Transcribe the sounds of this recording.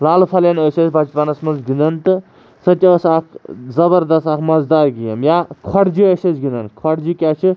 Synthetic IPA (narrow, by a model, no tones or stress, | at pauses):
laːlpʰɐlenəsɐsbad͡ʒpanɐsmɐnzɡind̪ɐnt̪ɨ | sɐtʲɐəsak̪ʰzɐbɐɾd̪ɐst̪akmɐzd̪aːɾɡijɐmjakʰɐɽd͡ʒiəsɐsɡind̪ɐnkʰɐɽd͡ʒikʲat͡ʃʰi